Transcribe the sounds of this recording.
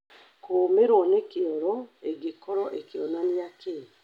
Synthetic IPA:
koːmeɾoɔnekeɔɾɔeɡekɔɾɔʔekeɔnaniake

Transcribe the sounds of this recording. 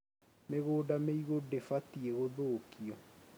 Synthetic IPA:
meɣoːdameiɣodefatieɣoðoːkiɔ

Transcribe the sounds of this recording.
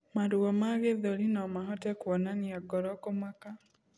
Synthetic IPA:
maɾuɔmaɣeðɔɾinɔmaɦɔtɛkwɔnaniaɡɔɾɔkomaka

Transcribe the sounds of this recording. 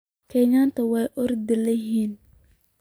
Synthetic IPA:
kʰɛɲaːnt̪ʰɐwɛjʔɔrd̪ɪlɐɦiːn

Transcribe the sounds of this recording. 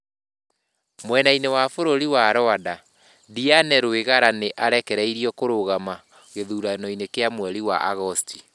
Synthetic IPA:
mwɛnainewafoɾoɾiwaɾɔada | dianɛɾoeɣaɾaneʔaɾɛkɛɾɛiɾijɔkoɾoɣama | ɣeðuːɾanɔinekeamwɛɾiwa̰ʔaɣɔstʰi̥

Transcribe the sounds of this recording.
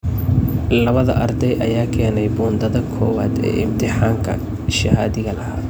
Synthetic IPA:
lɐβɐðɐ̰ʔɐrd̪ɛjʔɐjaːkʰɛːnɛjbuːnd̪ɐðɐkʰɔːwaːd̪ɛ̰ːɪmt̪ʰɪħaːŋkʰɐ̰ | ʃɐhaːðɪɣɐlɐhaː

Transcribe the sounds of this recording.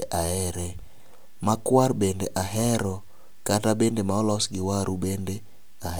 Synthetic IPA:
ʔaɛɾɛ | makwarbendeʔaɦɛɾɔ | katabendemaɔlɔsɡɪwaɾubende | a

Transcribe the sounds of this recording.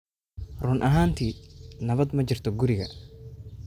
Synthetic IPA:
rʊnʔɐɦaːnt̪ʰiːnɐβɐd̪mɐt͡ʃɪrt̪ʰɔɡʊɾɪɣɐ̰

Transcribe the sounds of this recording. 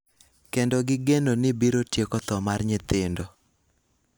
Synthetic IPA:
kendɔɡɪɡenonɪbiɾotjekɔt̪ɔmarɲɪt̪ɪndo

